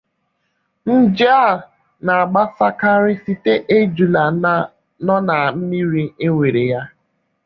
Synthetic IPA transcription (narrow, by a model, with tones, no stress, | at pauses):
n̩˦d͡ʒa˦˨ | na˨a˨ɡ͡ba˦sa˦ka˦ɾɪ˦si˦te˦ʔe˦d͡ʒu˨la˨ | nɔ˦na˨m̩˦mi˦ɾi˦e˦ŋʷe˨ɾe˨ja˦